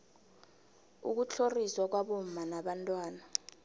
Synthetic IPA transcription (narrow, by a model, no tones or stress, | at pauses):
ṵk̬ut͡ɬʰoriswak̬waɓom̩manaɓantʼwaːna